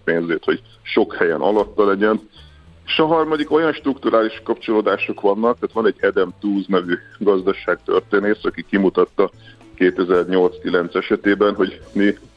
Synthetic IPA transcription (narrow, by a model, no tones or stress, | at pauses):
peːnzeːt̪ho̞ɟ | ʃo̞khɛjɛ̰nʔɒ̰lɒt̪ːɒlɛɟɛn | eʃɒɦɒrmɒd̪iko̞jɒnʃt̪rukt̪uɾaːliʃkɒpt͡ʃo̞loːd̪aːʃo̞kʋɒnːɒk̚t̪aːt̪ʋɒnɛɟːɛd̪ɛmt̪uːznɛvyɡɒzd̪ɒʃaːk̚t̪ø̰rt̪eːneːsɒkikimut̪ɒt̪ːɒ | keːt̪ɛzɛrɲo̞lt̪skilɛnt̪sɛʃɛt̪eːbɛnɦo̞ɟmi